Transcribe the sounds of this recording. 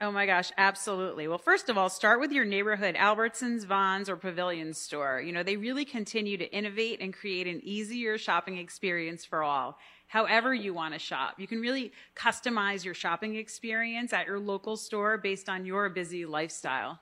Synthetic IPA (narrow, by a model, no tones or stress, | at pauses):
oʊmaɪɡɑʃæb̥səluʔˡliwɛlˠfɜ˞stʌvɔlˠstɑɹt̚wɨðjə˞neɪbə˞ɦʊɾæ̰lˠbə˞tsɨ̃nzvɑ̃nzə˞pʰɨvɪlˠjɨ̃nz̥stɔɹjɨnoʊðeɪɹɪlˠikʰɨ̃ntʰɪ̃njʉɾɨʔɪ̃ñɨveɪɾʔɨ̃nkʰɹ̥ieɪɾɨ̃niziə˞ʃɑpɪ̃ŋɨkspɪɹiɨ̃nsfə˞ɔ̰lˠ | haʊɛvə˞jɨwɑ̃ñɨʃɑ̰pjɨkɨ̃n̩ɹɪlˠikʰʌstɨmaɪzjə˞ʃɑpɪ̃ŋɨkspɪɹiɨ̃nsɨt͡ʃə˞loʊkl̩ˠstɔɹbeɪstn̩jə˞bɪzilaɪfstaɪlˠ